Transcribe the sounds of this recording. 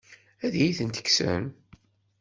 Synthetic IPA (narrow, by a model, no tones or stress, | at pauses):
æðjiθənt̪ə̥kːsə̰m